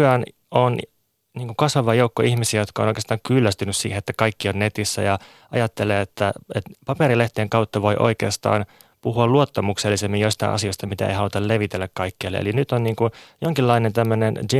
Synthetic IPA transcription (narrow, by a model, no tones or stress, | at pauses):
æn | on | niːŋkukɑsʋɑʋɑjoukːoihmisiæjot̪kɑo̰noikest̪ɑːŋkylːæst̪ynyssḭːheet̪ːækɑikːionnet̪isːæ̰jɑ | ʔɑ̰jɑt̪ːeleːet̪ːæet̪pɑpeɾileht̪ieŋkɑut̪ːɑʋoiʔo̰ikḛːst̪ɑ̰ːn | puhuɑluot̪ːɑmukselːisemːinjoist̪ɑ̰ḭʔɑ̰sioist̪ɑmit̪æ̰ḛhɑlut̪ɑlleʋit̪elːækkɑikːeːlːḛḛlinyt̪onniːŋkujoŋkilːɑinent̪æmːønendi